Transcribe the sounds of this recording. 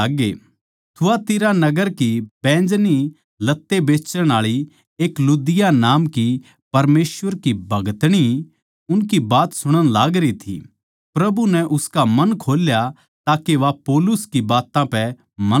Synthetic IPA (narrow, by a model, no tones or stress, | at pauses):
aːɡe | t̪ʰʊat̪ɪɾanɐɡəɾkibɛ̃ːd͡ʒni | lɐt̪ːebeːt͡ʃəɽ̃aːɭi | eːklud̪ɪjanaːmki | pɐɾmeːsʋəɾkibʱɐɡət̪ɽ̃i | ʊnkibaːt̪sʊɽ̃əɽ̃laːɡɾit̪ʰḭ | pɾɐbunɛ̃ʔʊskamɐnkʰoːlja | t̪aːkeʋapoːlʊskibaːt̪ãpɛ | mɐ